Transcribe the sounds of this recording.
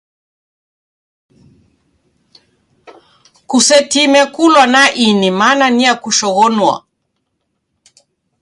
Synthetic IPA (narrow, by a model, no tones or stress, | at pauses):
kusɛtimɛkulwanaʔinimananiakuʃɔɣɔnwa̰